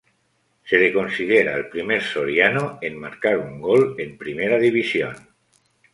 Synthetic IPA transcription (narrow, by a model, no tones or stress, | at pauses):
selekonsið̞eɾa̰elpɾimeɾsoɾjanoemmːaɾkaɾuŋɡolempɾimeɾaðiβ̞isjon